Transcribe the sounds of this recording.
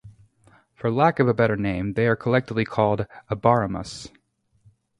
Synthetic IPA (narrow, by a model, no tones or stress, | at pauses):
fə˞lækʌvəbɛɾə˞nẽɪ̃mðeɪə˞kʰəlɛk̚təvlikʰɔlˠdəbɑɹəmə̰s